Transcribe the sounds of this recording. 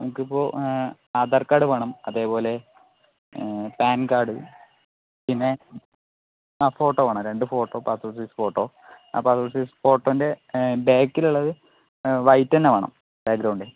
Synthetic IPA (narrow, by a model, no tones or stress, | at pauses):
nɐmukːipːo̞ː | ad̪ɐrkaːɽɨʋɐɳɐmɐðe̞ːpo̞ːle̞ | paːnkaːɽɨ | pinːe | afo̞ːʈːoːʋɐːɳɐɾe̞ɳɖɨfo̞ːʈːo̞ːpaːsosiːsfo̞ːʈːoː | a̰ːpːaːsosisfo̞ːʈːoːinde̞beːkːiluɭːɐðɨ | ʋɐjtːɐnːeʋɐɳɐ̰m | b̥eːk̚ɡɾɐwɳɖe